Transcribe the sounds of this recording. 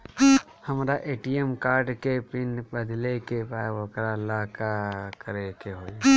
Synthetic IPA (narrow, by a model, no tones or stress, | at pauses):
həmɾaʔeːʈijemkaːɾɖkepɪnbəd̪lekepaʋokɾalakakəɾekeɦoːj